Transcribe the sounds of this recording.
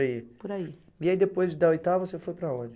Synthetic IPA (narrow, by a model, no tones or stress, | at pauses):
ipoɾai | iaid̪epojzd͡ʒɪd̪ɐojt̪avɐsefojpɾɐõd͡ʒɪ